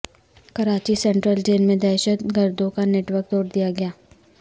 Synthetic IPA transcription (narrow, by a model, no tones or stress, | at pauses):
kɐɾaːt͡ʃisɛ̃ːɳʈɾəld͡ʒeːnmẽd̪ɛːʃət̪ɡɐɾd̪õkaneːʈwəɾk̚d̪ɔːɾd̪ijaɡɐjaː